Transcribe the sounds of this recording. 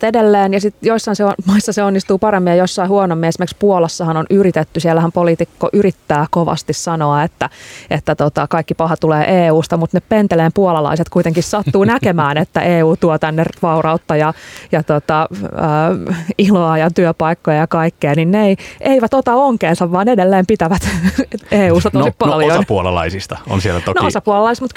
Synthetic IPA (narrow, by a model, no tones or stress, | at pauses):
edelːeːnjɑsit̪joisːɑinseonmɑisːɑseonːist̪uːpɑɾemːijɑjosːɑihuonomːiesimerkspuolɑsːɑhɑnonyɾit̪et̪ːysiɛlːæhæmpolit̪ikːoʔyɾit̪ːæːkoʋɑ̰st̪issɑnoɑet̪ːæet̪ːæt̪ot̪ɑkɑikːipɑhɑt̪uleːʔeːuːst̪ɑmut̪neppent̪eleːmpuolɑlɑ̰iset̪kuit̪eŋkissɑt̪ːuːnækemæːnet̪ːæʔeːuːt̪uot̪ænːerʋɑurɑut̪ːɑjɑjɑt̪ot̪ɑəːiloɑjɑt̪yøpɑikːojɑjɑkɑikːeːninneiʔeiʋæt̪ot̪ɑoŋkeːnsɑʋːɑːnedelːeːmpit̪æʋæt̪eːuːst̪ɑt̪osipɑnljosɑnpuolɑ̰lɑ̰isist̪ɑo̰nsielːæt̪onoosɑpuɑlɑlɑist̪mut̪